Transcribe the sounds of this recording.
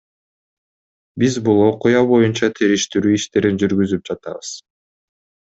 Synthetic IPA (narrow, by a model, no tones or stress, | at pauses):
bizbulˠo̞qujɑβo̞junt͡ʃɑt̪ʰeɾiʃt̪yɾyːiʃt̪e̞ɾind͡ʒyɾɡyzyp̚d͡ʒɑt̪ɑ̰βɯz̥